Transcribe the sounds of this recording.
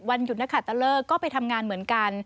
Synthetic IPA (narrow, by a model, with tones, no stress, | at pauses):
wa˧nju˨˩t̪̚na˦˥kʰa˨˩t̪ːa˧lɤː˥˩kɔː˥˩pa˧jt̪ʰa˧mŋaː˧nmɯ˩˦ənka˧n